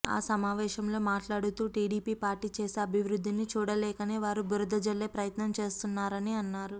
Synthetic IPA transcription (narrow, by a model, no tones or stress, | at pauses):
a̰ːsɐmaːʋɛːʃɐmlo̞ːmaːʈlaːɽut̪uːʈiːɽiːpiːpaːɾʈiːt͡ʃe̞ːseːɐbʱiʋɾud̪ːinit͡ʃuːɽɐlɛːkɐneːʋaːɾubuɾɐd̪ɐd͡ʒɐlːeːpɾɐjɐt̪nɐmt͡ʃe̞ːst̪unːaːɾɐniɐnːaːɾu